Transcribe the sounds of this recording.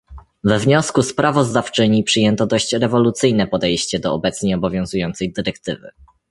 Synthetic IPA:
vɛvɲɔskuspɾavɔzd̪aft͡ʂɘɲipʂɘjɛnt̪ɔd̪ɔɕt͡ɕɾɛvɔlut̪sɘjnɛpɔd̪ɛjɕt͡ɕɛd̪ɔɔbɛt̪sɲejɔbɔvʲjɔ̃ñzujɔnt̪sɛjd̪ɘɾɛkt̪ɘvɘ̰

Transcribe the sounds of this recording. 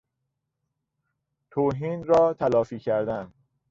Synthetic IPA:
t̪ʰoːɦiːnɾɒːt̪ʰælɒːfiːcʰæɾd̪æn

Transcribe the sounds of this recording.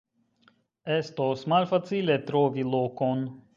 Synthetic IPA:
ɛst̪osmalʲfat̪t͡silʲet̪ɾoːvʲilˠokon

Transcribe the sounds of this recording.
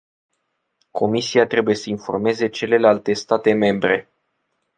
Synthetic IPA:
kʰo̞misiat̪ɾe̞buje̞səinfo̞̰rme̞ze̞t͡ʃe̞le̞lalt̪e̞st̪at̪e̞me̞mbɾe̞

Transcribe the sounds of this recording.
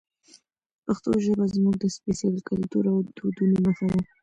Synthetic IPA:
pəxt̪oʒəbazmuɡ̚d̪əspesalikalt̪uɾawd̪̥od̪unoməxawa

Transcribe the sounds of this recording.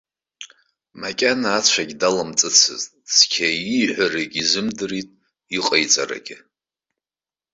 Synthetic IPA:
makʲʼanaːt͡sʷʰaɡʲdalɨmt͡sʼɨt͡sʰɨ̰ztʼskʲʰaiħʷareɡʲʼizɨmdɨritʼ | iqʼejt͡sʼaɾa̰ɡʲɪ

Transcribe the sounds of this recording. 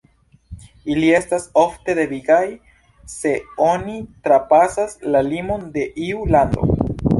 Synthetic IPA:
ilie̞staso̞fte̞de̞viɡaj | se̞o̞nitɾapasaslalimo̞nde̞ʔiulando̞̰

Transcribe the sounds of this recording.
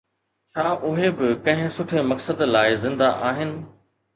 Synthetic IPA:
t͡ɕʰaːʔʊɦebɪkɐ̃ɦɪ̃sʊʈʰemɐksəd̪laːɪzɪ̃nd̪aʔaːɦɪnɪ̆

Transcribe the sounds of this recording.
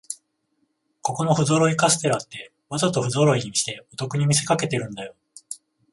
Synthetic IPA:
ko̞ko̞no̞ɸɯ̟zo̞ɾo̞ikasɨ̥t̪e̞ɾat̪ːe̞ | βazat̪o̞ɸɯ̟zo̞ɾo̞iɲ̟imʲiɕi̥t̪e̞ot̪o̞kɯ̟ɲ̟imʲis̬e̞kake̞t̪e̞ɾɯ̟̃nd̪ajo̞

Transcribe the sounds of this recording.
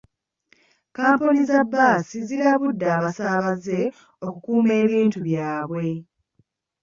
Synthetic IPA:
kaːmpunizabːaːsiziɾaβudːaːβasaːβaze̞ | o̞kukuːme̞ːβiːntuβjaːβwe̞

